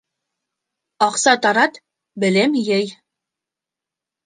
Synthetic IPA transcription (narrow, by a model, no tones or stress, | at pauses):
ɑqsɑt̪ɑɾɑt̪ | bɘ̆lɘmjæj